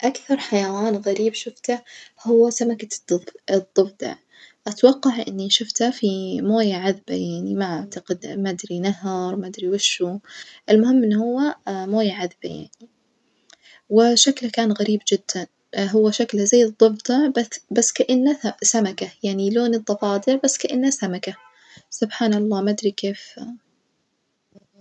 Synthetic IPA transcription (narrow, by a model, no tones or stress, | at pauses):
ʔakθɑɾˤħajawaːnɣaɾiːbʃʊft̪ahʊwːasamakad̪ɪd̪ˤːɨbd̪ˤɑ̰ʕ | ʔat̪awɑqːɑʕʔɪ̰nːiʃʊft̪hafimoːjaʕaðba̰jaʕnimaʕaʕt̪aɡɪd̪mad̪ɾinaɦɑɾˤmad̪ɾiwɪʃːuʔɪlmʊhɪmːɪnːhʊwːamoːjaʕaðba̰ja̰ʕni | wɪʃaklkaːnɣaɾiːbd͡ʒɪd̪̥ːan | ɦʊwːaʃaklazaːd̪d̪ˤɨbt̪ˤɑbbasːkaʔɪnːasamakajaʕniloːnɨd̪ˤːɑfɑːd̪ˤɨʕbasːkaʔɪnːasamaka | sʊbħaːnɑlˤːɑːmad̪ɾikeːf